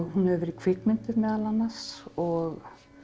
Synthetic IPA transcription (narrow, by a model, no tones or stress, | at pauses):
hunhɛvʏɾikʰvɪkmɪnt̪ɪðmɛːðalanːasɔɣ